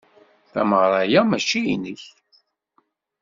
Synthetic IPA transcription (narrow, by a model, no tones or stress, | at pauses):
θæməʁɾˤɑjamæt͡ʃːiinəç